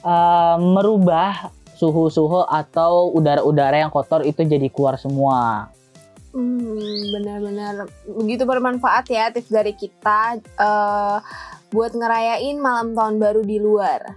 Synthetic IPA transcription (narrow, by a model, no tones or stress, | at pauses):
ʔəməɾubahsuɦusuɦɔʔat̪awudaɾaudaɾajaŋkɔt̪ɔrit̪ud͡ʒadikluarsəmua | bənərbənərbəɡit̪upərmanfaʔat̪jat̪ɪfdaɾikit̪aʔə | buat̪̚ŋəɾajaɪnmalamt̪aʊnbaɾudiluar